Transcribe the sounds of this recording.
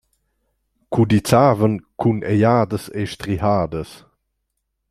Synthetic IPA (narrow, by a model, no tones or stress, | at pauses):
kud̪it͡saːvənkʰunʔɛjaːdəsḛʃt̪ɾiɦaːdəs